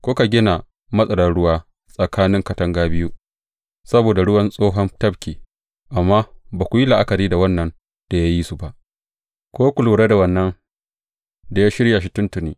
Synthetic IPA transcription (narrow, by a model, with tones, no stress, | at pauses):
kʷoː˦ka˨ɡʲɪ˦na˨ | mɐ˦sʼɐ˨lɐ˨nɽʊ˦waː˦ | sʼɐ˨kʰaː˦nɪ˦ŋkɐ˨tɐ˦ŋɡaː˦bɪ˦ju˦ | sɐ˦boː˨da˨ɽʊ˦wɐ˦nsʼoː˦ɦɐ˦ntɐ˦bkʲiː˨ | ʔa˨mːaː˦baː˨kʷu˨ji˦la˨ʔa˦ka˨ɾiː˦da˨wɐ˦nːɐ˦n | d̥a˨ja˦ji˦su˨ba˨ʔ | kʷoː˦kʷʊ˨luː˨ɽeː˦da˨wɐ˨nːɐ˦ŋ | da˨jaː˦ʃɪ˦ɾja˨ʃi˦tʊ˦ntʊ˨niː˨˦